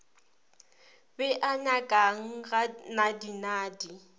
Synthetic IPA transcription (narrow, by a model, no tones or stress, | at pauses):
bɛʔaɲakʼaŋ̩ɣanadinaːdi